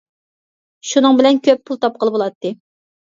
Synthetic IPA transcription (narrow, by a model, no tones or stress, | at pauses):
ʃunɨŋbɪlɛnkʲʰøpʰːulˠt̪ʰɑp̚qəlˠbolˠɑt̪ːɨ